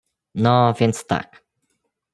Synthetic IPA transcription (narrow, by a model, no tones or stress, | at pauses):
nɔvʲjɛnt̪st̪a̰k